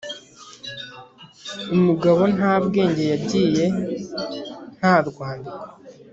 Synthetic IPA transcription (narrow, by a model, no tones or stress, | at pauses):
umuɡaβo̞naːbɡe̞ːɲɟe̞jabɟiːje̞ | n̥haːɾɡwaːndikḁ